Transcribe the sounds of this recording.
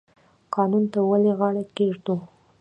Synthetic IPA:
qɑnunt̪awaleɣɑɽakeʐt̪u

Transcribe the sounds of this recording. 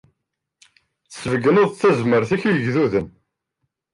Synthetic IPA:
θə̥səvəɡənoðˤθæzməɾθæçəʝðuðən

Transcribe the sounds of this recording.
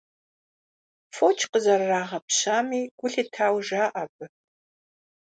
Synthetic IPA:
fot͡ʃʰqəzɐrːaːʁɐpɕaːmiːɡ̥ʷʊɬitʰaːwʒaːʔɐbɨ

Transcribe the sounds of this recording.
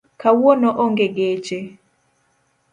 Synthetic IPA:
kawonoʔoŋɡeɡet͡ʃe

